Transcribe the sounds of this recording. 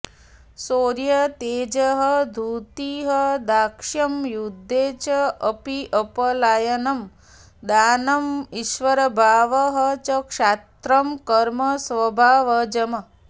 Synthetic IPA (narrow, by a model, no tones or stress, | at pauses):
soːɾjɐt̪eːd͡ʒɐɦɐd̪ʱuːt̪iɦɐd̪aːkʂɐmjud̪ʱːeːt͡ʃɐɐpiʔɐpɐlaːjɐnɐm | d̪aːnɐmiʃʋɐɾɐbʱaːʋɐɦɐt͡ʃɐkʂaːt̪ɾɐmkɐɾmɐsʋɐbʱaːʋɐd͡ʒɐmɐ